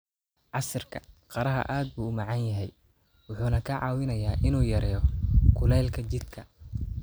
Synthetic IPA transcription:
ʕɑsɐrkʰɐqɑɾɐɦɐ̰ʔaːd̪̚buːʊmɑʕɑnjɐɦɛj | wʊħuːnɐkʰɐʕɑːwɪnɐjaːʔɪnuːjɐɾɛːjɔkʰʊlɛlkʰɐt͡ʃɪd̪kʰɐ

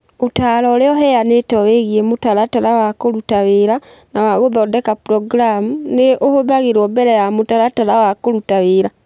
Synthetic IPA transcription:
otalɔleɔɦɛjanetɔweɣiemotalataɾawakoɾutaweɾa | nawaɣoðɔdɛkapɾɔɡɾamuneʔohoðaɣeɾɔmbɛɾɛjamotaɾataɾawakoɾutaweɾa

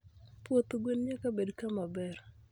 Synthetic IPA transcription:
pwot̪oɡwenɲakabedkamabɛr

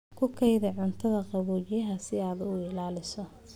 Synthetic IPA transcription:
kʰʊkʰɛjðɐʕʊnt̪ʰɐðɐqɑβuːt͡ʃjɐɦɐsɪaːd̪ʊɪlaːlɪsɔ

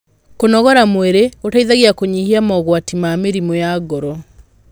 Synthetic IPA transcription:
konɔɣɔɾamweɾeotaiðaɣiakoɲihiamɔɣwatimameɾimojaɡɔɾɔ

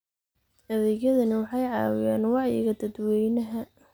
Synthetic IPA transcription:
ɐðɛːɣjɐðɐnɪwɑħɑjʕɑ̰ːwɪjaːnwɑʕjɪ̰ɣɐd̪ɐd̪wɛjnɐɦɐ

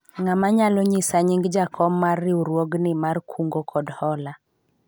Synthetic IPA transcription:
ŋamaɲalɔɲɪsaɲɪŋɡd͡ʒakʰɔmːarːɪuɾwoɡnɪmarkʰuŋɡokʰɔdhɔla

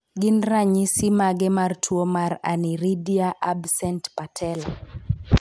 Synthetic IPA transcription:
ɡinɾaɲisimaɡɛmartʰuomaɾa̰niɾidiaʔabsɛntpatʰɛla

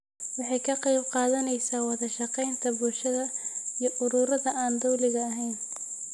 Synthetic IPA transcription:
wɑħɑjkʰɐqɛjbqɑːðɐnɛjsaːwɑðɐʃɑqɛjnt̪ʰɐbʊlʃɐðɐijɞʔʊɾuːɾɐðɐʔaːnd̪ɔwlɪɣɐːɦɛjn

